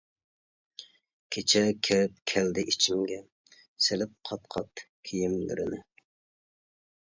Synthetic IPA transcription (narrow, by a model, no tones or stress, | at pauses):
kʲʰet͡ʃʰɛkʲʰewp̚kʲʰɛld̪ɪʔit͡ʃʰimɡʲɛ | selɪp̚qʰɑt̪qʰɑt̪kʲʰijimly̰ɾɪ̰nɪ